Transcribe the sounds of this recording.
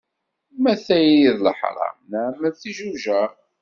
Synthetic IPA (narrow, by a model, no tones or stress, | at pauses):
mæθæjjiðləħɾˤɑ̰nəʕmːəlθiʒuʒæ